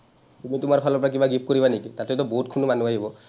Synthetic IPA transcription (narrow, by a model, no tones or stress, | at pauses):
tumitʊmaɹpʰalɔpɔɹak̬ibaɡip̚koɹibanekitatɛtɔboɦutkʰunumanuaɦibɔ